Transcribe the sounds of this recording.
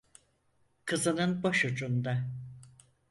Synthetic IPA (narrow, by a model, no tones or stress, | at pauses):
kʰɯzɯnɯnboʃud͡ʒund̪a